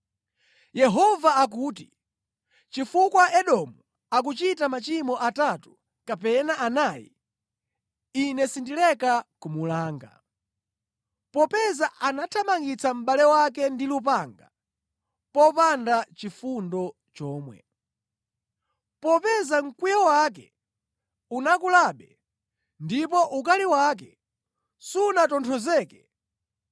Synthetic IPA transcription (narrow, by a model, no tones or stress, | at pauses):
jɛɦɔvaak̬uːt̬i | t͡ʃifukwaʔɛɗɔmu | ak̬ut͡ʃitamat͡ʃimɔʔatatu̥ | kapɛnaʔanaːjḭ | inɛsindilɛkakumulaːŋɡa̰ | pɔpɛzaʔanatʰamaŋɡit͡sam̩ɓalɛwak̬ɛndilup̬aŋɡa | pɔpandat͡ʃifundɔ | t͡ʃɔːmwɛ̰ | pɔpɛzaŋ̩kwijɔwak̬ɛ̰ | unakulaːɓɛ | ndipɔʔukaliwak̬ɛ | suːnatɔntʰɔzɛːkɛ